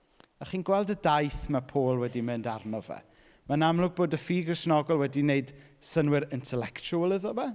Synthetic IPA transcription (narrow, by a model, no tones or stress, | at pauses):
aχiːnɡwɛlˠdədajθmapʰoːlˠwɛdimɨndarnɔvɛ̰ | manamlˠʊɡ̚boːdəfiːɡrɪsnɔɡɔlˠwɛdineɨd̥ | sənwɪɾɪntʰɛlɛkt͡ʃuəlˠəðɔvɛ